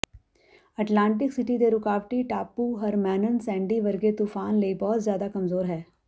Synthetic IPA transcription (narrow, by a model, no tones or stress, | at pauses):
əʈlãːɳʈ̬ɪksɪʈid̪eɾʊkaːʋʈiʈaːpuːɦəɾmɛːnənsɛ̃ːɳɖiːʋəɾɡet̪uːfʰaːnləiːbɔːt̪zjaːd̪akəmzoːɾɦɛː